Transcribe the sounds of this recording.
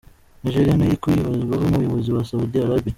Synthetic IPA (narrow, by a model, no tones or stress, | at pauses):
niʒeɾijanajikuiβazɡwaβomuβujoβoziwasaudiaɾobi